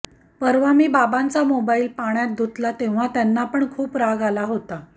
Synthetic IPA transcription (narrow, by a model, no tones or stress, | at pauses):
pəɾʋamiːbabant͡samobailpaɳjat̪̚d̪ʱut̪lat̪eʋ̤at̪janːapəɳkʰuːpɾaɡalaɦot̪a